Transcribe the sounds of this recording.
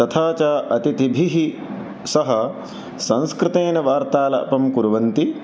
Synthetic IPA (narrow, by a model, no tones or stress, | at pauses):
ɐt̪ʰaːt͡ʃaːʔɐt̪it̪ibʱiɦi | sɐɦɐ | sɐ̃nskɾɪt̪eːnɐʋaːɾt̪aːlɐ̰ɐpɐmkuɾʋɐnt̪i